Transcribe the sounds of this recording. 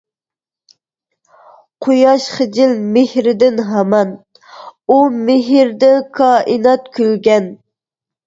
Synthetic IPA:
qʰojɑʃχəd͡ʒɪlmɪhɾɪd̪ɪnɦɑmɑn | umɪɦɾd̪ɛkʰɑːʔɨnɑt̪kʲʰylɡʲɛn

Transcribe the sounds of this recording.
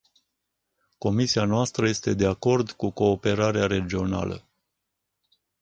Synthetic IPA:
ko̞misianoast̪ɾəje̞st̪e̞d̪e̞ako̞rd̪kuko̞ːpe̞ɾaɾeaɾe̞d͡ʒio̞na̰lə̰

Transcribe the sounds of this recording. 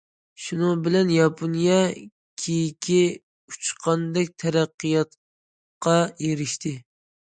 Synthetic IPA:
ʃunɨŋbɪlɛnjɑpʰonijɛ | kʲʰijikʲʰi | u̥t͡ʃqʰɑnd̪ɛk̚ʲt̪ʰɛɾæqːɨjɑt̪ | qɑjeɾɪʃt̪ʰɪ

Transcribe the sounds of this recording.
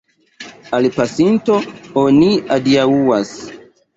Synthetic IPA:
alpasintooniadiauwas

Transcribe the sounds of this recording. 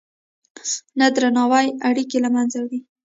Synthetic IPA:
nad̪ɾanɑwajaɽikelamanzawɽi

